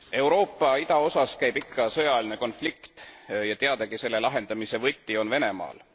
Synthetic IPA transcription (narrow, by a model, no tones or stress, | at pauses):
e̞wɾo̞ːpːˑɑid̪̥ɑo̞sɑskæjbikːɑsɤjɑline̞ko̞nflikt̪jɑt̪eɑd̪̥ɑɡise̞lːe̞lɑɦe̞nd̪̥ɑmise̞vɤt̪ʲːio̞nve̞ne̞mɑ̰ːl